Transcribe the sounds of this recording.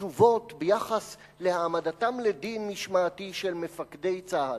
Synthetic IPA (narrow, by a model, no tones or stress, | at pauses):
uvo̞tbejaχas | le̞haːmadatamledinːiʃmaːtiʃelmefakde̞jt͡saha